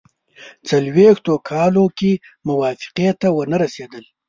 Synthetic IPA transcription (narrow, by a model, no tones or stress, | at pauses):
t͡salwext̪okʰɑloke | mʊwɑfɪ̥qet̪awənaɾased̪əl